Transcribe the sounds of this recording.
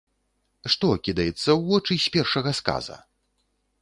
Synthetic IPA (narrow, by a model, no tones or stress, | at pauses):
ʂt̪ɔkʲid̪ɐjɛt̪sːɐwːɔt͡ʂɨsʲpʲɛrʂɐɣɐska̰zɐ̰